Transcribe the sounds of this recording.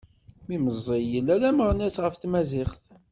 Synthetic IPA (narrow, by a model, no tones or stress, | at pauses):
miməzˤːijəlːælæməɾˤnæsʁəft̪mæzɪχθ